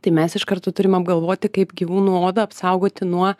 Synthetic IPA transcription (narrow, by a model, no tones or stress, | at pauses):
t̪ɐɪmʲɛsɪʃkɐɾt̪ot̪ʊɾʲɪmɐbɡɐlˠʋoːt̪ʲɪkɐɪpɡʲiʋuːnuːoːd̪ɐɐpsɐʊɡoːt̪ʲɪnuɔ